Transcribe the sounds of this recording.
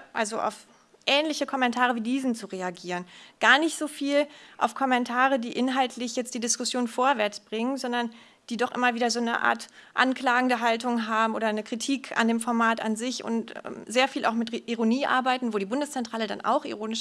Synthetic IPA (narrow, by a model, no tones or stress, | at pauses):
ʔalzoʔa̰ʊf | ʔɛːnlɪçəkʰɔmɛntʰaːʁ̞əviːdiːzn̩t͡suʁeaɡiːʁənɡ̥aːɐnɪçtz̥oːfiːlʔa̰ʊfkʰɔmɛntʰaːʁ̞ədiːʔɪnɦaltʰlɪçjɛt͡std̥iːdɪskʊsjoːnfoːɐvɛɐt͡sb̥ʁɪŋənzɔndɐn | d̥iːdɔχʔɪ̰mɐviːdɐzoːnə̰ʔa̰ːɐtʔa̰nklaːɡŋ̩dəɦaltʊŋɦaːbm̩ʔoːdɐnəkʁ̥itʰiːkʰa̰ndeːmfɔɐmaːta̰nzɪçʊ̰ntɛ̰zeːɐfiːla̰ʊxmɪtʔiʁoniːʔa̰ːɐbaɪtn̩voːdiːbʊndəst͡sɛntʁ̥aːləda̰nʔa̰ʊxʔḭʁoːnɪʃ